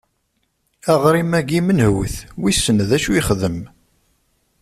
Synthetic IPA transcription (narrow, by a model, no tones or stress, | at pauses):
æʁɾimæɡimənhwəθwisːənðæʃuiχðəm